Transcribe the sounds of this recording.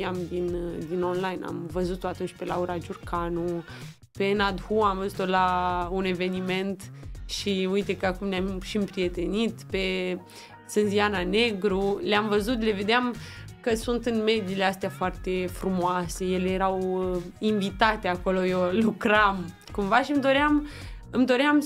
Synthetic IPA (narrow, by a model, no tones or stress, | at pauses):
iamd̪ind̪ino̞nlajna̰mvəzut̪oat̪unt͡ʃʲpe̞lauɾad͡ʒurkanu | pe̞nad̪huamvəzut̪olaune̞ve̞nime̞nt̪ʃiujt̪e̞kəakumneamʃiɨmpɾije̞t̪e̞nit̪pe̞ | sɨnzianane̞ɡɾuleamvəzut̪le̞ve̞d̪eamkəsunt̪ɨnme̞d̪ileast̪eafoart̪e̞fɾumoase̞je̞le̞je̞ɾawiɱvit̪at̪eako̞lo̞jolukɾam | kumvaʃimd̪o̞ɾeamɨmd̪o̞ɾeam